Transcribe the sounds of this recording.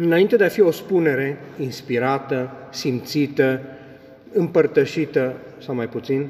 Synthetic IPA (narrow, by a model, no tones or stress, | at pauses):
ɨnaint̪e̞d̪eafio̞spune̞ɾe̞inspiɾat̪ə | simt̪sit̪ə | ɨmpərt̪əʃit̪ə | sawmajput̪sin